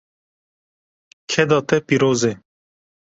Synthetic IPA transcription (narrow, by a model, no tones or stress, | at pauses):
kʰɛd̪ɑːt̪ɛpiːɾoːze